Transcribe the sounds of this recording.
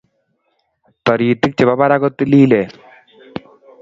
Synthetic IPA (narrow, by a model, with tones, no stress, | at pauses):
t̪ɔ˨ɾi˨t̪ɪ˦k̚t͡ʃɪ˨βa˦ba˦ɾa˦kɔ˦t̪ːi˦liː˦lɛ˨